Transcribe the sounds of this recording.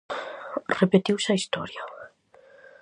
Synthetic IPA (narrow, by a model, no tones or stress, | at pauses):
rɛbɛdɪwsaistʰɔɾjɔ